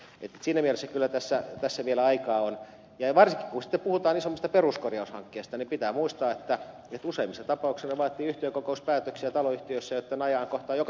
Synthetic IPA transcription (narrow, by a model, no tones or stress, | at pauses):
et̪ːsiːnːæmielesːækylːæt̪æsːæt̪æsːæʋielæɑikɑːon | jɑʋɑrsiki̥kkusi̥t̪ːeppuhut̪ɑːnisomːost̪ɑperuskorjɑushɑ̰ŋkːeːst̪ɑnimpit̪æːmuist̪ɑːet̪ːæ | et̪useimːisːɑt̪ɑpɑuksenɑʋɑːt̪ˑiːyht̪eøkokouspæːt̪øksiæt̪ɑloyht̪iøsːæjot̪ːenɑjɑːŋkoht̪ɑːjokɑ